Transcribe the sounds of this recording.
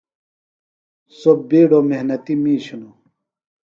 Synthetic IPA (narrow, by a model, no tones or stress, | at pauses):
sobeːɖomeɦnɐt̪imiːɕuno